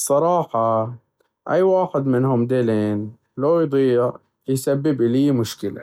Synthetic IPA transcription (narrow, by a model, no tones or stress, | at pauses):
sˤːɑɾˤɑːħɑ | ʔajːwaːxɪd̪mɪnhʊmd̪eːleːn | laːjd̪ˤiː | jsabːɪbʔliːmʊʃkɪla̰